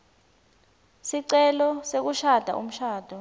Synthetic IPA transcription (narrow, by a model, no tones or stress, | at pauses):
siǀɛlɔsek̬uʃad̥ʱa̰ʔṵm̩ʃaːd̥ʱɔ